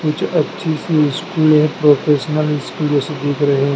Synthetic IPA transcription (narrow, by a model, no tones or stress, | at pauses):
kʊt͡ʃʰɐtːʃʰisiɪskuːlɦɛ̃pɾoːpʰeːʃənəlɪskuːlõsed̪eːkʰɾɐɦeɦ